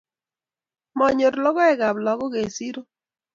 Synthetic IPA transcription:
mɔ˨ɲo˨ɾlɔ˦ɡɔ˦ɛ˦ɡa˨blɔ˨˦ɡɔ˦ɡe˨si˦ɾo˦

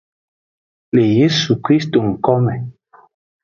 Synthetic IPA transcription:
le˨je˦su˨kɾi˦sto˨ŋ̩˨kɔ˦mɛ˨

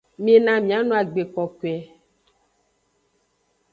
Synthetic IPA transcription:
me˨nã˨mĩ˨a˨˦nõ˦a˨ɡ͡be˨kɔ˨ke˨ɛ˨

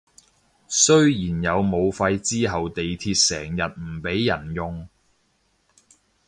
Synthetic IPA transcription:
sɵ˥ɥjiː˨˩njɐ˨˧wmo˨˧wfɐ˧jt͡siː˥ɦɐ˨wt̪e˨jt̪ʰiː˧t̚sɛː˨˩ŋjɐ˨t̚m̩˨˩pe˨˥jːɐ˨˩njʊ˨ŋ

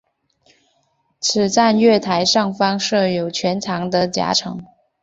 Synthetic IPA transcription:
t͡sʰɹ̩˨˩t͡sa˥˧nɥɛ˥˩t̪ʰa˧˥ɪʂɑ˥˩ŋfɑ˥ŋʂɤ˥˩jo˨˩ʊt͡ɕʰɥɛ˧˥nʈ͡ʂʰɑ˧˥ŋd̪ə˧t͡ɕja̰˧˥ʈ͡ʂʰɤ̰˧˥ŋ

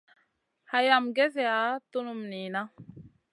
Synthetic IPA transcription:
ha˨ja˨mɡe˦s̬e˦a˨˦t̪u˦nu˨mniː˨na˦

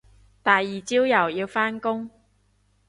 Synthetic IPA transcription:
t̪aː˨jːiː˨˩t͡siː˥wjɐ˨˩wjiː˧wfaː˥nkʊ˥ŋ

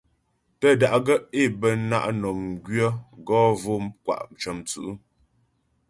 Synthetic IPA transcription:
tə˦da˨ʔɡə˦e˦˨bə˦na̰˦ʔnɔ˨m˨ɡɥə˦ɡɔ˦vo˦mkwa̰˦˨ʔt͡ʃə˨mt͡sʉ̰˨ʔu˦

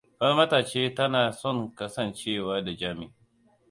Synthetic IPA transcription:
bɐ˦rmɐ˦taː˨t͡ʃeː˦tɐ˦naː˨sɔ˦˨ŋkɐ˦sɐ˨nt͡ʃeː˦˨waː˦da˨d͡ʒaː˦mɪ˦˨

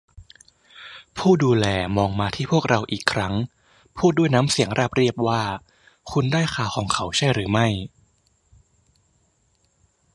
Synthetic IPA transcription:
pʰuː˥˩duː˧lɛː˧mɔː˧ŋmaː˧t̪ʰiː˥˩pʰu˥˩ək̚ɾa˧wʔiː˨˩kʰːɾa˦˥ŋ | pʰuː˥˩t̪̚du˥˩jnaː˦˥msi˩˦ŋɾaː˥˩p̚ɾi˥˩əp̚waː˥˩ | kʰu˧ndaː˥˩jkaː˨˩wxʰɔː˩˦ŋkʰa˩˦wt͡ɕʰa˥˩jɾɯː˩˦ma˥˩j

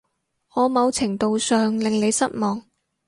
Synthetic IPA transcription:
ŋɔː˨˧mɐ˨˧wt͡sʰɪ˨˩ŋt̪o˨wsœː˨ŋlɪ˨ŋle˨˧jsɐ˥t̚mɔː˨ŋ

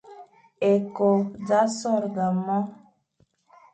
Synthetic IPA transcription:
e˨ko˨d͡za˦sɔ˦˨ɾɡa˨mɔ˦

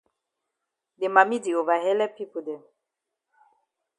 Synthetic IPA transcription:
de˨ma˨mi˦di˨o˨va˨ɦɛ˦lɛ˦pi˦po˨dɛ˨m

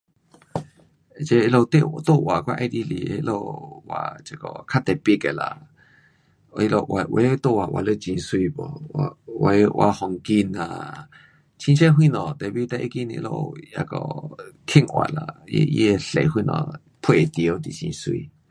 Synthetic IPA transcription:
t͡ʃe˧lo˧t̪e˦˨t̪o˦˧˨ʔwa˨kʷa˦ʔe˧˦˧d̪i˧li˨ḛ˧lo˧wa˧˨t͡ʃe˧˨kɔ˧˨kʰa˦t̪ɛ˨pji˧˨ke˨la̰˨˧ | i˧lo˧ʔwa˨ʔwe˧˦t̪o˦˧˨wa˨wa˨lə˧t͡ʃĩ˧˨swiː˧bɔ˧˨˧we˧ʔwʔa˧hɔ˨ŋki˧nã̰˧˨ | t͡ʃĩ˦t͡ʃe˦ɦwĩ˧˨nɔ̃˨t̪ɛ˨bi˦t̪ɛ˧ʔe˦ki˧˨nḭ̃˧lo̰˧ja˧kɔ̰˧˨kʰẽ˦˨ŋʔwa˧˨la˨˧je˧ɬe˨hwi˧nɔ̰̃˧˨ | pʰwe˨t̪i˧o˧t̪i˧˨t͡ʃḭ̃˧swḭː˧

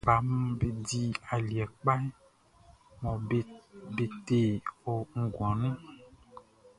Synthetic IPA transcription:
ba˨˦m˦be˦di˦a˨li˨ɛ˨k͡pa˦ɛ˦ | mɔ̃˨e˦be˨t̪e˨wo˦ŋ̩˦ɡɔ˨nũ˦

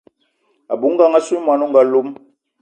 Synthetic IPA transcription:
a̰˨bu˨˦ŋ̩˦ɡa˦ŋa˦su˦mwa˨nu˦ŋ˨ɡa˨˦lo˦m

